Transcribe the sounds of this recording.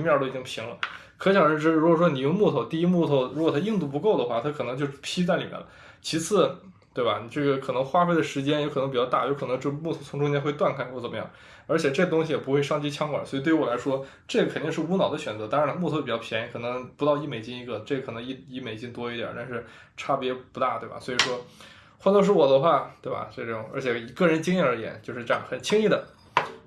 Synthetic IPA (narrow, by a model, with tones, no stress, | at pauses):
mjɑ˥˧li˨˩t͡ɕi˥ŋpʰi˧˥ŋlə̰˧ | kʰɤ˧˥ɕʰjɑ˨˩ŋɻə˧˥ʈ͡ʂɻ̩˥˧ɻu˧˥kwɔ˨˩ʂwɔ˥ni˨˩jʊ˥˧mu˥˩t̪ʰo˧˩ʊt̪i˥˧i˥mu˥˧t̪ʰo˥˩ʊɻkwɔ˨˩t̪ʰa˥i˥˧ŋt̪u˥˩p̬u˧˥ko˥˩ʊd̪ə˩xwa˥˩t̪ʰa˥kʰɤ˨˩nɤ˧˥ŋt͡ɕjo˥˧ʊ˥pʰi˥t͡sa˥˩ɪli˨˩mjɛ̰˥nlə̰˦ | t͡ɕʰi˧˥t͡sʰɹ̩˥˩ | t̪we˥ɪba̰˩ni˨˩ʈ͡ʂɤ˥˩ɡə˩kʰɤ˨˩nɤ˧˥ŋxwa˥fe˥ɪd̪ə˩ʂɻ̩˧˥t͡ɕjɛ˥njkʰɤ˨˩ɤ˧˥ŋpi˨˩t͡ɕjɑ˥t̪a˥˩jo˧˥ʊkʰɤ˨˩nɤ˧˥ŋʈ͡ʂɤ˥˩ɡmu˥˩t̪ʰʊ˧˥ʈ͡ʂʊ˥t͡ɕjɛ˥nxwe˥˧ɪt̪wa˥˩nkʰa˥kwɔ˥˩t͡sə˨˩mə˦jɑ̰˥˩ŋ | ə˞˧˥t͡ɕʰjɛ˨˩ʈ͡ʂɤ˥˩ɡə˩t̪ʊ˥ŋɕ̬i˨jɛ˨˩pu˧˥xwe˥˧ɪʂɑ˥˧ŋt͡ɕi˥t͡ɕʰjɑ˥ŋkwa̰˨˩swɔ˧˥i˨t̪we˥˩˧wɔ˨la˧˥ɪʂwɔ˥ | ʈ͡ʂɤ˥˩ɡə˩kʰnt̪i˥˧ŋʂɻ̩˥˩u˧˥nɑ˨˩ʊd̪ə˦ɕɥɛ˨˩nt͡sɤ˧˥t̪ɑ˥ɻa˧˥n˥mɔ˥˩t̪ʰo˥˩pi˨˩t͡ɕɑ˥˩ʊpʰjɛ˧˥n˧˥˩kʰɤ˨˩nɤ˧˥ŋpu˧˥t̪ɑ˥˧ʊi˥˩me˨˩ɪt͡ɕi˥ŋi˧˥ɡə˧ʈ͡ʂɤ˥˩ɡə˩kʰɤ˨˩nɤ˧˥ŋi˥˩i˥˩me˨˩ɪt͡ɕi˥ŋt̪wɔ˥i˧˥t̪ja̰˨˩˥t̪a˥˧nʂɻ̩˥˧ | ʈ͡ʂʰa˥˩pjɛ˧˥pu˧˥t̪a˥˩t̪we˥˩ɪba̰˩swɔ˧˥i˨˩ʂwɔ˥ | xwa˥˧lʂ̬u˥wɔ˨˩d̪ə˦xwa˥˩t̪we˥˩ɪbɐ̰˨˩ʈ͡ʂɤ˥˧ʈ͡ʂɤ˥˩ʈ͡ʂʊ˨˩ŋə˞˧˥t͡ɕʰjɛ˧˩˨kɤ˥˩ɻə˧˥nt͡ɕi˥ŋjɛ˥˩ə˞˧˥jɛ̰˨˩˦nt͡ɕjo˥˧ʊʂɻ̩˥˧ʈ͡ʂxə˨˩nt͡ɕʰi˥ŋi˥˩d̪ə˩